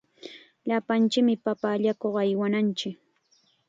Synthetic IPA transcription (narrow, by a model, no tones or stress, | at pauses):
ʎapant͡ʃɪkmɪpapaːʎakoχajwanant͡ʃɪk